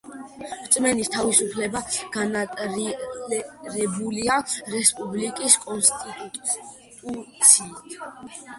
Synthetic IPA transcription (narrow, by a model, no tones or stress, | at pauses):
ɾt̪sʼmɛnist̪ʰavisupʰlɛbaɡ̥anat̪ʼɾlɛɾɛbuliaɾɛspʼublikʼiskʼɔnst̪ʼit̪ʼ | t̪ʼut̪sʰiːt̪ʰ